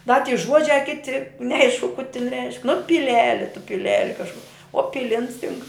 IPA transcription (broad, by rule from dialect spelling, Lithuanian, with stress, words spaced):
dɐ tʲiː ˈʒuɔd͡ʒʲɛ ˈkʲɪtʲɪ nʲɛˈɐɪʃkʊ kʊ tʲɪn rʲɛɪʃk nʊ pʲɪˈlʲæːlʲɪ tʊ pʲɪˈlʲæːlʲɪ kɐʃˈkʊ oː ˈpʲɪlʲɪns tʲɪŋk